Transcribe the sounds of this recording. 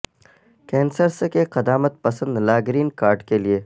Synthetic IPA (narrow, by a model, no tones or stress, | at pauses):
kɛ̃ːnsəɾsekeqɐd̪aːmət̪̚pɐsə̃nd̪laːɡɾiːnkaːɾɖkelie